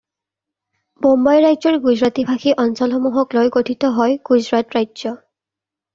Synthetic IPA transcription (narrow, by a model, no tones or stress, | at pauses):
bombajɹajzɔɹɡuzɹatibʱaxʰiʔɔnsɔlxɔmuɦɔklojɡotʰitɔɦɔjɡ̥uzɹatɹajzɔ